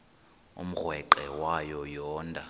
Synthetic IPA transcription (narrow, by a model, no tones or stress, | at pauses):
ṵm̩ɣwɛǃɛwajɔjɔːndʱʼa